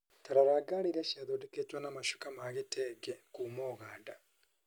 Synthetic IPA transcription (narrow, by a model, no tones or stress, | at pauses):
taɾaɾaɡaɾiɾaʃiaðodɛketwanamaʃu̥kamaɣitɛɡɛkuːmɔːɣaːnda